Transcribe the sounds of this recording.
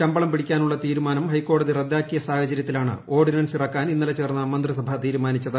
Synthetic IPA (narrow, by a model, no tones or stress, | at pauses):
t͡ɕɐmbɐɭɐmpiɽikʲːaːnuɭːɐt̪iːɾumaːnɐmhɐjkːo̞ːɽɐðirɐd̪ːaːkːijɐsaːhɐt͡ɕɐɾjɐt̪ːilaːɳɨ̰o̞ːrɖinɐnsirɐkːaːninːɐlɐt͡ɕe̞ːrnːɐmɐnd̪risɐbʱɐt̪iːɾumaːnit͡ɕːɐðɨ